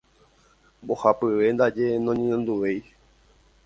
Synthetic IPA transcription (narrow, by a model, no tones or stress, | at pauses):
bo̞hapɨʋe̞nd̪ad͡ʒe̞nõɲẽnõnd̪uʋe̞j